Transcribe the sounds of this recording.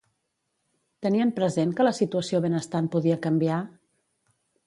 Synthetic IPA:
t̪əniəmpɾəzenkələsit̪uəsioβenəst̪anpuðiəkəmbia

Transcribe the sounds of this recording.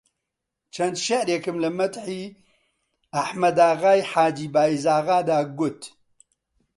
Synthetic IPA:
t͡ʃʰɐnt̪ʃɐʔɾeːkɨmlɐmɐt̪ħi | ɐħmɐd̪aːɣaːjħaːd͡ʒiːbaːizaːɣaːd̪aːɡʊt̪

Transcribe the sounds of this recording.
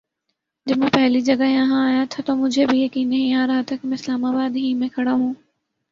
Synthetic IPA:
d͡ʒɐbmɛ̃ːpɛɦlid͡ʒɐɡajɐɦãaːjat̪ʰat̪omʊd͡ʒʱebʱijɐkiːnːɐɦĩaːɾɐɦat̪ʰakimɛ̃ɪslaːmaːbaːd̪ɦĩmɛ̃kʰɐɽaɦũː

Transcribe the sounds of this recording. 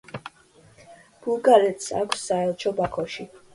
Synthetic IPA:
b̥ulˠɡaɾɛt̪sa̰kʷʰsːaɛlˠt͡ʃʰɔbakʰɔʃi

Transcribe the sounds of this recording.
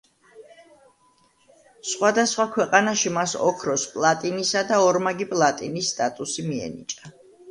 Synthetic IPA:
sχwad̪asχwakʰwɛqʼanaʃimasɔ̰kʰɾɔspʼlˠat̪ʼinisad̪aɔɾmaɡipʼlˠat̪ʼinisːt̪ʼat̪ʼusimiɛ̰nḭt͡ʃʼa

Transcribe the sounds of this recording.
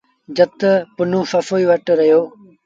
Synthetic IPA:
d͡ʒət̪pʊnũːfɐfoːiːʋɐʈɾɐɦjoː

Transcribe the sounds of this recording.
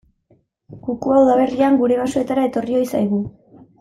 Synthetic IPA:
ɡukuawðaβ̞e̞riaŋɡuɾe̞βasue̞t̪aɾae̞t̪o̞rio̞jsajɣ̞u

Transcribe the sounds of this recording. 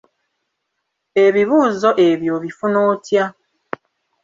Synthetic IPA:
eβiβuːzo̞ʔe̞βjo̞βifunoːtja

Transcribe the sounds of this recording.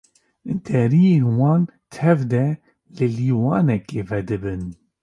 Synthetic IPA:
d̪ɛɾijeːnwɑːnt̪ʰɛvd̪ɛ | lɨliːwɑːnɛkeːvɛd̪ɨbɨn

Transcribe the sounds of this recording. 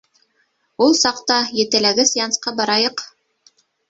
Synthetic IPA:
ulˠsɑqt̪ɑjɘ̆t̪ɘ̆læɡɘsjɑnsqɑbɑɾɑjɤq

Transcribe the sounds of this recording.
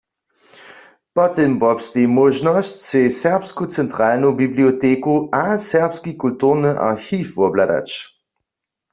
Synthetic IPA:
pɔtəmbɔpstemoʒnɔstt͡sesɛɐpskot͡sɛntʁ̥aːlnobiblioteːkoʔasɛɐpskikultuʁnəʔa̰ʁxiːfʋuɐblada̰t͡ʃ

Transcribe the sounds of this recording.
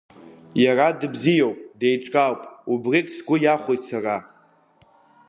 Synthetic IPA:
jaradɨbzijowpʼdejʈ͡ʂʼkʼawpʼubrikʼsɡʷʊjaχʷojsʰara

